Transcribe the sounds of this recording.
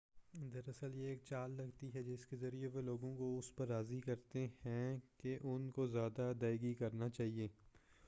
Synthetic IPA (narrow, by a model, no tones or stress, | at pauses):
d̪ɐɾɐsəljeːk̚t͡ʃaːlːɐɡt̪iɦɛd͡ʒɪskezɐɾieʋeloːɡõkoʊspɐɾːaːzikɐɾt̪ehɛ̃keʔʊnkozjaːd̪ad̪aːɪɡikɐɾnat͡ʃaːɦieː